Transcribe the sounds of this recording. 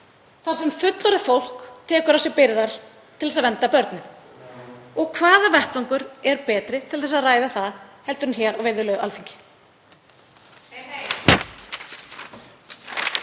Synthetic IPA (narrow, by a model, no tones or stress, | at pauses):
θaɾ̥sɛmfʏt̪laɾɪfowl̥kt̪ʰɛːkʏɾasjɛpɪɾðaɾ̥ | t̪ʰɪlɛsaðvɛnt̪apœɾt̪nʏ | ɔɣkʰvaːðavɛht̪laŋkʏɾɛɾpɛːt̪ɾɪt̪ʰɪlθɛs̬aðraːjðaθaðhɛlt̪ʏɾʏnçɛɾɔɣvejɾðʏɾlœɣʏalθiɲcɪ̥